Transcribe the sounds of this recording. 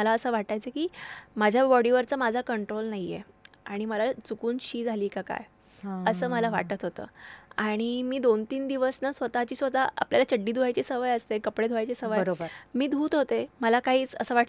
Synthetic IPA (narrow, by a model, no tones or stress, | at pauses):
əlaəsəːʋaʈ̪̚ajt͡səkiːmad͡ʑʱjabɔɽiʋəɾt͡samad͡zʱakəɳʈɾolnaɦijḛaɽ̃iməlat͡sukuːnɕiːd͡zʱaliːkaka̰j | əsəːməlaʋaʈət̪ɦot̪ə̰ːaɽ̃imiːd̪ont̪iːnd̪iʋəsnasʋət̪at͡ɕiːsʋət̪aa̰pljalat͡ɕəɖːiːd̪ʱuajt͡ɕesəʋəjəst̪ekəpɽed̪uajt͡ɕesəʋəəɾobəɾmiːd̪ʱuːt̪ɦot̪eməlakaɦiːt͡səsəːʋaʈ